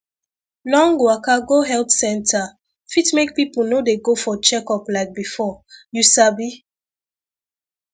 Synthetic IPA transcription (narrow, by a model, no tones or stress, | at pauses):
lɔ̃ŋɡwakaɡoɦɛltsɛ̃ntʰa | fitmek̚pipl̩ˠnodeɡofɔt͡ʃɛkɔplaɪk̚bifɔjusabi